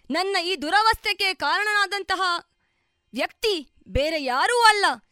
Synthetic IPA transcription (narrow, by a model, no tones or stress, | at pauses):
nɐnːɐiːd̪uɾɐʋɐst̪ʰjɐkːekaːɾɐɳɐnaːd̪ɐnt̪ɐɦɐ | ʋjɐkt̪i | beːɾe̞jaːɾuːɐlːɐ